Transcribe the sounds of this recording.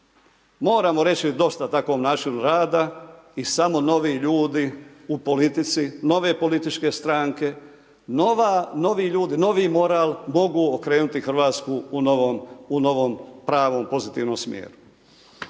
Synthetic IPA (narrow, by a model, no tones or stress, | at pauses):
mo̞ːɾamo̞ɾe̞t͡ɕid̪o̞st̪at̪akʋo̞ːmnaːt͡ʃinuɾaːd̪aisamo̞no̞ʋiʎuːd̪iupo̞lit̪it̪sino̞ʋe̞ːpo̞lit̪it͡ʃke̞st̪ɾaːŋke̞ | noʋano̞ʋiːʎuːd̪ino̞ʋimo̞ɾaːlmo̞ɡuːokɾe̞ːnut̪ixr̩ʋaːt̪skuunoʋomuno̞ʋompɾaːʋo̞ːmpo̞zit̪iːʋnoːmsmjḛːɾu